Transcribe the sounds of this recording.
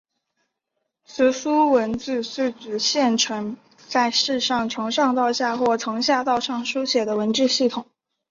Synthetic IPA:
s̩˧˥su˥wə˧˥nt͡sɹ̩˥˧su˥˩t͡sɹ̩˨˩ɕjɛ˥˩nʈ͡ʂʰɤ˧˥ŋ | t͡sa˥˧ɪʂɻ̩˥˧ʂɑ˥˩ŋʈ͡ʂʰɤ˧˥ŋʂɑ˥˧ŋt̪ɑ˥˧ʊɕja˥˧xwɔ˥˩t͡sʰɤ˧˥ŋɕja˥˧t̪ɑ˥˧ʊʂɑ˥˩ŋʂu˥ɕjɛ˨˩d̪ə˦wə˧˥nʈ͡ʂɻ̩˥˧ɕi˥˩t̪ʰʊ˨˩˦ŋ

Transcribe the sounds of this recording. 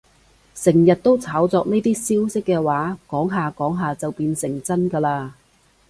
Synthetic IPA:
sɪ˨˩ŋjɐ˨t̚t̪o˥wt͡sʰaː˨˥wt͡sɔː˧k̚ne˥jt̪iː˥siː˥wsɪ˥kːɛː˧waː˨˥kɔː˨˥ŋɦaː˨kɔː˨˥ŋɦaː˨t͡sɐ˨wpiː˧nsɪ˨˩ŋt͡sɐ˥nkɐː˧laː˧

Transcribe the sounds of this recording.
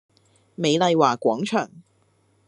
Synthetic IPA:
me˨˧jlɐ˧jwaː˨˩kʷwɔː˨˥ŋt͡ʃʰœː˨˩ŋ

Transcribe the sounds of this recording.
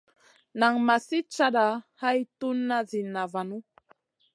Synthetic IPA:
na˨ŋma˨si˦t͡ʃa˦ɗa˨˦ha˦jtu˦nːa˦zi˨na˨va˨nu˦

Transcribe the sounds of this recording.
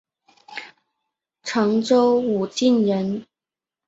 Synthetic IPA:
ʈ͡ʂʰɤ˨˥ŋʈ͡ʂo˥wu˨˩t͡ɕi˥˩njə˨˥n

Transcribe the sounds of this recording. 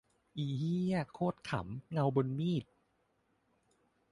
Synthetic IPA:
ʔiː˧˩hiː˥a˥˩kʰoː˥˩t̪̚kʰa̰˩˦mŋa˧wbo˧nmiː˥˩t̪̚

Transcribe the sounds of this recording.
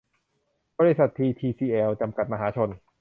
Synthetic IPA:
bɔː˧ɾi˦˥sa˨˩t̪ʰːiː˧t̪ʰiː˧siː˧ʔɛː˧wt͡ɕa˧mka˨˩t̪̚ma˧ɦaː˩˦t͡ɕʰo˧n

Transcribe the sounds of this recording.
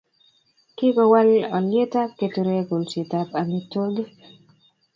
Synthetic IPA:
kɪ˦ɡɔ˨wa˦lɔ˨lje˦ta˦ke˨tu˨ɾe˦ɡo˨lsi˨ta˦pa˨mi˦to˦ɡ

